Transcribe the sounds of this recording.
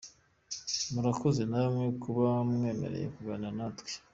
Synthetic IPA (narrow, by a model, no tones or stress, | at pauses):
muɾakoze̞naβmŋekuβamŋe̞ːme̞̰ɾe̞̰jḛkuɡananatwe̥